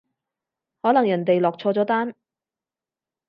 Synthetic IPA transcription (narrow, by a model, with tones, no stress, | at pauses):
hɔː˨˥lɐ˨˩ŋjɐ˨˩nt̪e˨jlɔː˨k̚t͡sʰɔː˧t͡sɔː˨˥t̪aː˥n